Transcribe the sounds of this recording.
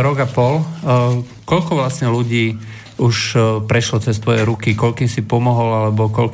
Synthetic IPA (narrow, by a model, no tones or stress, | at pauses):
ɾɔɡapɔl | kɔʎkɔʋlasɲɛluɟiː | uʃpɾɛʃlɔt͡sɛst̪ʋɔjɛɾukikɔʎkiːmsipɔmɔɦɔlalɛbɔkɔl